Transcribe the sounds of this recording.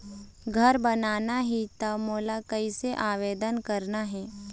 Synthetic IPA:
ɡʱɐɾbɐnaːnaɦit̪ɐmoːlakɐiseʔaːʋeːd̪ənkɐɾnaɦɛː

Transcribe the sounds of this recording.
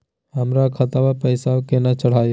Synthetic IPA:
ɦəmɾakʰət̪aʋapəjsaokenat͡ʃəɽ̤aːjo

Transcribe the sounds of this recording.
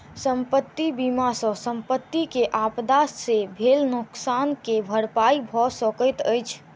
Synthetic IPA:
səmpət̪ːibimasə̃səmpət̪ːikeʔapd̪asːebʱelnʊksankebʱəɽpaibʱɔsəkəjt̪əjt͡ʃʰ

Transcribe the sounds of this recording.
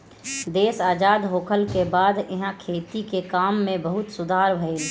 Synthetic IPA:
d̪eːsaːd͡ʒaːd̪ɦoːkʰəlkebaːd̪ɪɦãkʰeːt̪ikekaːmːẽbɐɦʊt̪sʊd̪ʱaːɾbʱəeːl

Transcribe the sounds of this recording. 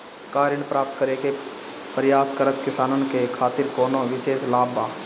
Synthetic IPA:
kaːɾənpɾaːp̚t̪kəɾeke | pəɾɪjaːskəɾət̪kɪsaːnənkekʰaːt̪ɪɾkoːnõʋɪʃeːslaːbãː

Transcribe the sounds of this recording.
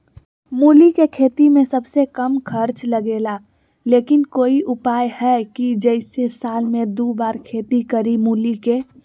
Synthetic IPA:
muːlikekʰeːt̪imẽsəbsekəmkʰəɾt͡ʃləɡeːla | leːkɪnkoːiʔʊpaːjhɛkid͡ʒɛɪsesaːlmẽd̪uːbaːɾkʰeːt̪ikəɾimuːlike

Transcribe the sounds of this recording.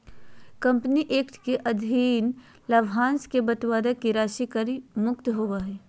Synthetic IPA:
kɐ̃mpniʔeːkʈʰkeʔɐd̪ʱiːn | lɐʋɦãːnskebɐt̪ʋaːd̪əkiɾaːʃikəɾimʊkt̪ɦoʋaɦɛː

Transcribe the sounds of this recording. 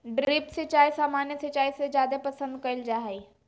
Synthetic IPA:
ɖɾipset͡ʃaːjsaːmaːnjəset͡ʃaːisezjaːd̪epɐsə̃nd̪̚kɐild͡ʒaːɦei

